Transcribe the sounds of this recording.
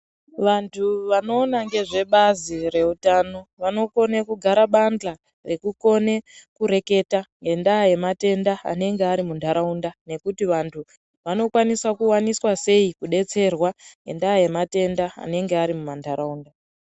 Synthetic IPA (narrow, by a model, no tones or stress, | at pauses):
ʋantʰuʋano̞ːnaŋɡe̞ʐe̞ɓazire̞utano̞ʋano̞ko̞nekuɡʱaɾaɓand͡ɮa | re̞kuko̞ne̞kuɾe̞ke̞taŋɡe̞ndaːje̞mate̞ndaa̰ne̞ŋɡeaɾimundʱaɾaundane̞kutiʋantʰu | ʋano̞kwaniswakuwaniswase̞ikuɗe̞t͡se̞rwaŋɡe̞̰ndaje̞mate̞ndaa̰ne̞ŋɡeaɾimumandʱaɾauːnda